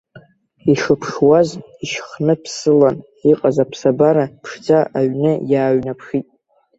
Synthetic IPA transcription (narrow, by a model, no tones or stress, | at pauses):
iʂɨpʰʂwaz | iʃχnɨpʰsɨlan | iqʼazapʰsabaɾapʰʂd͡zaʔaɥnɨjaːɥnapʰʂitʼ